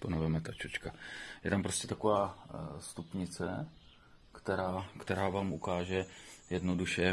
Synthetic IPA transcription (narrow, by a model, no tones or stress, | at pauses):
ponovɛmɛt̪at͡ʃot͡ʃkajɛ̰t̪ampɾo̞scʲɛt̪akovaːst̪upɲɪt͡sɛ | kt̪ɛɾaːkt̪ɛɾaːvaːmukaːʒɛjɛdno̞duʃɛ